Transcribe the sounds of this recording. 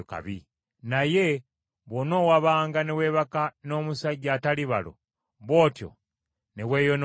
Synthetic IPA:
ka̰βi | naje̞ | βwono̞waβaːŋɡanewe̞ːβakano̞ːmusaɟataliβa̰lo̰ | βwo̞ːtjo̰ | newe̞ːjon

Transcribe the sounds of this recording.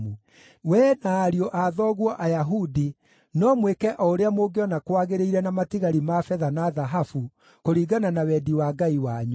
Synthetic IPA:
mu | wɛːnaːɾioʔaðɔɣwɔʔajaɦudi | nɔmwekɛʔɔoɾeamoɡeɔnakwaɣeɾeiɾɛnamatiɣaɾimafɛðanaðaɦafu | koɾiːɡananawɛdiwaːɡaiwaɲu

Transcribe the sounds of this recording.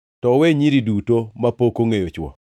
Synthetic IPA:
tɔweɲiɾidutomapokoŋejot͡ʃwɔ̰

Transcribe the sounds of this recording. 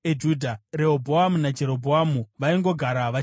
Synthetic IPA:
ed͡ʒuːdʱaɾeobʱoamunad͡ʒe̞ɾo̞bʱoamuʋaiŋɡo̞ɡʱaɾaʋa

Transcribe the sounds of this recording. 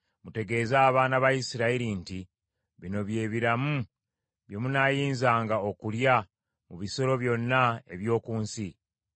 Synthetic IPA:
mute̞ɡe̞ːzaːβaːnaβajisiɾaiɾinti | βino̞βje̞ːβiɾamu | βje̞munaːjiːnzaːŋɡao̞kulja | muβiso̞ɾo̞βjo̞nːae̞βjo̞ːkuːnsi

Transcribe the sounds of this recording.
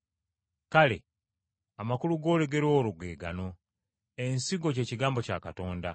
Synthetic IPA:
kale̞̰ | amakuluɡo̞ːle̞ɡe̞ɾwoːluɡwe̞ːɡa̰no̞ | ensiɡo̞ce̞ːciɡaːmbo̞ca̰kato̞ːnda

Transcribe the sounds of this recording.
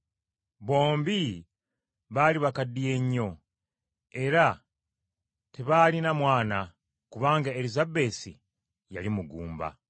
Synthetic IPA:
βo̞ːmbi | βaliβakadije̞ɲːo̞ | e̞ɾa | teβalinamwaːna | kuβaːŋɡae̞ɾizabe̞ːsḭ | ja̰limuɡṵːmba̰

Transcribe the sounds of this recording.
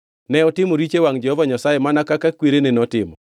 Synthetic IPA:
nɛɔtɪmoɾit͡ʃewaŋd͡ʒɛhɔvaɲasajemanakakakweɾenenɔtɪmɔ

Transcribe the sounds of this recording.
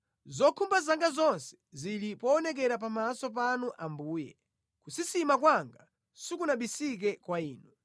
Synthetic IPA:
zɔkʰumbazaŋɡazɔnsɛ̥zilipɔːnɛk̬ɛɾapamasɔp̬anuʔambuːjɛ̰ | kusisimak̬waŋɡa | sikunaɓisik̬ɛkwaiːnu

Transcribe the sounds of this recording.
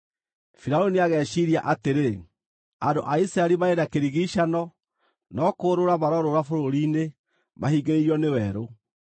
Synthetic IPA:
fiɾaoniaɣɛːɕiɾiaʔateɾe | andoʔaisɾaɛɾimaeɾakeɾiɣiʃanɔ | nɔkoːɾoɾamaɾɔɾoɾafoɾoɾiːne | mahiːɡeɾeiɾiɔnewɛɾo

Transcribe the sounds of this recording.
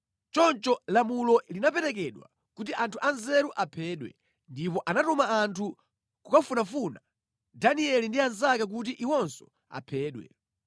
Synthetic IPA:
t͡ʃɔnt͡ʃɔlamulɔlinapɛɾɛkɛɗwa̰ | kutiʔantʰuʔanzɛɾuʔapʰɛːɗwɛ̰ | ndipɔʔanatɔmaːntʰu | kukafunafuna | daniɛlindianzakak̬utiʔiwɔnsɔ̥ | a̰pʰɛːɗwɛ̰

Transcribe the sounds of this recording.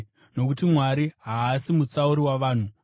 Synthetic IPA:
no̞kutimwaɾiɦaːsimut͡sauɾiwaʋaːn̤u

